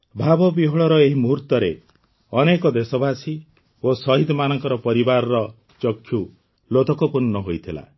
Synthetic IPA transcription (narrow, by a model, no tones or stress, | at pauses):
bʱabɔbiɦɔɭɔɾɔeɦimuɦuɾt̪ɔɾe | ɔnekɔd̪esɔbʱasi | osɔɦid̪ʱɔmanɔŋkɔɾɔpɔɾibaɾɔɾɔ | t͡ʃɔkʰːju | lot̪ɔkɔpuɾnɔɦojt̪ʰila̰